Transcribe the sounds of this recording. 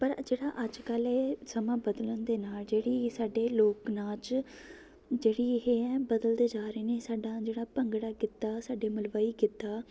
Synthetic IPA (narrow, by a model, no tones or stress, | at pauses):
pəɾd͡ʒeːɽaːʔəd͡ʒkəlɛːsəmãːbəd̪ələnd̪eːnaːld͡ʒeːɽiːsaːɖeːloːknaːt͡ʃ | d͡ʒeːɽiːɦeːɛːbəd̪əld̪eːd͡ʒaːɾeːneːsaːɖaːd͡ʒeːɽaːpəŋɡɽaːkɪt̪ːaːsaːɖeːməlʋaːiːkɪt̪ːaː